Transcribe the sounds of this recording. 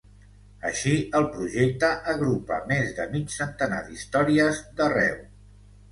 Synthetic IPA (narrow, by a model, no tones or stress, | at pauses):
ə̰ʃiəlˠpɾuʒek̚t̪əʔəɣɾupə̰mezðəmit͡ʃsənt̪əna̰ðist̪ɔɾiəzd̪ərɛ̰w